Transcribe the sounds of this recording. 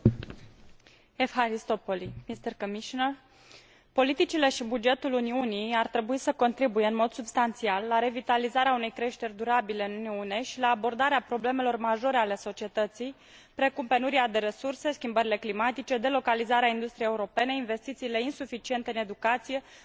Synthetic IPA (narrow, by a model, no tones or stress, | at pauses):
efxaɾist̪o̞po̞limist̪erkəmiʃinər | po̞lit̪it͡ʃile̞ʃibud͡ʒe̞t̪uluniunijart̪ɾe̞buisəko̞nt̪ɾibuje̞ɨnmo̞d̪subst̪ant̪sialːaɾe̞vit̪alizaɾeaune̞jkɾe̞ʃt̪e̞rʲd̪uɾabile̞ɨnuniune̞ʃilaːbo̞rd̪aɾeapɾo̞ble̞melo̞rmaʒo̞ɾe̞ale̞so̞t͡ʃie̞t̪ət̪sij | pɾe̞kumpenuɾiad̪e̞ɾe̞surse̞skʲimbəɾile̞klimat̪it͡ʃe̞d̪e̞lo̞kalizaɾeaind̪ust̪ɾijeuɾo̞pe̞ne̞inve̞st̪it̪siːle̞insufit͡ʃie̞nt̪eɨne̞d̪ukat̪sije̞